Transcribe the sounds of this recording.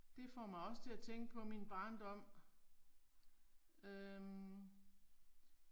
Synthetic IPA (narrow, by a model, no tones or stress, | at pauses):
d̥e̝fɒ̰ːmɑ̈ɪɒ̽sə̥t͡sʰe̝æt͡sʰeŋɡ̥əpʰɒ̽minb̥ɑ̈ːnd̥ɒ̽m̰ | ø